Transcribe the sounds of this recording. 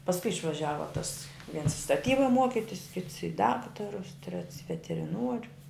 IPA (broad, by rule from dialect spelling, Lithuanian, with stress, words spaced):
pɐsˈkʊɪ ɪʃʋɐˈʒʲæːʋɐ tɐs ʋʲiɛns stɐˈtʲiːbɐ ˈmuɔkʲɪtʲɪs kʲɪts ɪ ˈdɑːktɐrʊs tʲrʲɛts ɪ ʋʲɛtʲɛrʲɪˈnuɔrʲʊ